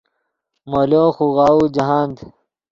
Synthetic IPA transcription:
moloːxuɣaːud͡ʑɐɦaːnd̪

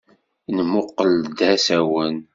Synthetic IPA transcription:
nəmʊqːəld̪æsæwən

